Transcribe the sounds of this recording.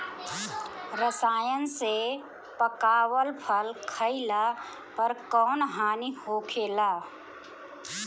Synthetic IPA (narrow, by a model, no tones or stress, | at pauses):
ɾəsaːjənse | pəkaːwəlpʰəlkʰəɪla | pəɾkɔːnɦaːnihoːkʰeːlaː